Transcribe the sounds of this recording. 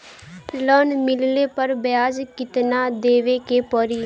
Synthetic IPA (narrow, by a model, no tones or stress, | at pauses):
lɔːnmɪlleːpəɾbjaːzkɪt̪naːd̪eːʋeːkeːpɔːɾiː